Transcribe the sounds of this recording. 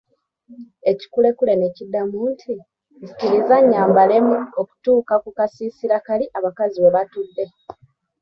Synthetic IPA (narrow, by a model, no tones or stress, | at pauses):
e̞ci̥kule̞kule̞necidːamuːntʰi | si̥ciɾizaɲːaːmbale̞muoku̥tuːkakukasiːsiɾakaliʔaβakaziβe̞βatudːe̞